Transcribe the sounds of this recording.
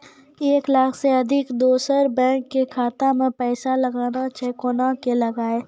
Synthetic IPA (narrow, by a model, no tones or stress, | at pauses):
eːklaːkʰseɐd̪ʱɪkd̪oːsəɾbɛ̃ːkːekʰaːt̪amẽpɛːsalɐɡaːnat͡ʃʰɛːkoːnakelɐɡaːe